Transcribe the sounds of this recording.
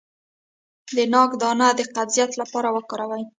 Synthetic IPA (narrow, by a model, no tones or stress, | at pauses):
d̪ənɑkd̪ɑnad̪əqad̪zijat̪lapɑɾawəkɑɾawaj